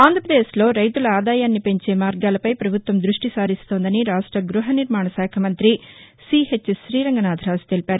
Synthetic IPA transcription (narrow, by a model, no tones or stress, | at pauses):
aːnd̪ʱɾɐpɾɐd̪eːʃlo̞ːɾɐjt̪ulɐaːd̪aːjaːnːipe̞ɲt͡ʃeːmaːɾɡaːlɐpɐjpɾɐbʱut̪ʋɐmd̪ɾuʂʈisaːɾist̪oːnd̪ɐniɾaːʂʈɾɐɡɾuɦɐniɾmaːɳɐsaːkʰɐmɐnt̪ɾi | siɦet͡ʃːʃɾiːɾɐŋɡɐnaːd̪ʱɾaːst̪elipaːɾu